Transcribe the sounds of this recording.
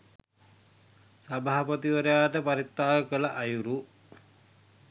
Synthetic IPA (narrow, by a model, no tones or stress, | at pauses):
sabaːapət̪iʋəɾejaːʈəpaɾit̪ːaːʋəkəlaʔajuɾu